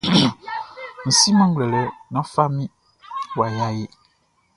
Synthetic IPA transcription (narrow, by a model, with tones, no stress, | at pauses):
n̩˨si˦mã˦ŋ˦ɡ͡blɛ˨lɛ˨˦nã˦fa˦mĩ˦ | wa˨ja˦je˦